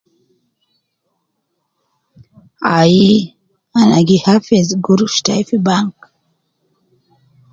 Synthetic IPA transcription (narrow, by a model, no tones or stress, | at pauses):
aji | anaɡihafezɡuɾuʃtajfibaŋk